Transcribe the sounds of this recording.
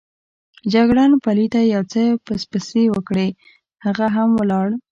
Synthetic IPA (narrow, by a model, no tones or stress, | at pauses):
d͡ʒaɡɽɑnpalit̪ajawt͡səpəspəsewəkɽe | haɣaɦamwəlɑɽ